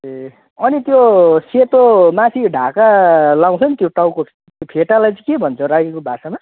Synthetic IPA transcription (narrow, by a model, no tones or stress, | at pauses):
e | ʌnit̪joset̪omasiɖʱakalaw̃t͡sʰʌnit̪joʈawko | t̪jopʰeʈalajt͡sʌ̃kebʱʌnt͡sʰʌɾajekobʱasama